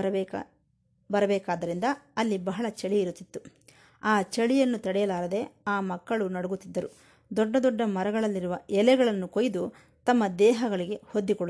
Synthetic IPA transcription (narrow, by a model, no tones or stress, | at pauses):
bɐɾɐbɛːkaːd̪ɐɾind̪ɐːlːibɐɦɐɭɐt͡ʃeɭiːɾut̪ːit̪ːu | aːt͡ʃeɭijɐnːut̪ɐɽɛjɐlaːɾɐd̪e̞aːmɐkːɐɭunɐɽuɡut̪ːid̪ːɐɾu | d̪ɔɖːɐd̪ɔɖːɐmɐɾɐɡɐɭɐlːiɾuʋɐʔɛlɛɡɐɭɐnːukojd̪u | t̪ɐmːɐd̪ɛːɦɐɡɐɭiɡe̞hod̪ːikoɭ